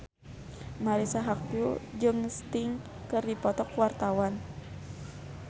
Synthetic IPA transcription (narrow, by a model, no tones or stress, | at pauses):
maɾisaɦak̚pud͡ʒɨŋst̪iŋ | kɨrdipɔt̪ɔkwart̪awan